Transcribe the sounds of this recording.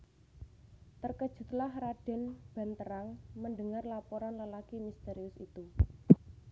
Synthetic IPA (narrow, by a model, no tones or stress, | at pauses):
t̪ərkəd̥ʒ̥ṳt̪lahɾaɖ̥ɛ̤nb̥a̤nt̪əɾaŋmənɖəŋarlapoɾanləlakimist̪eɾiʊsḭt̪u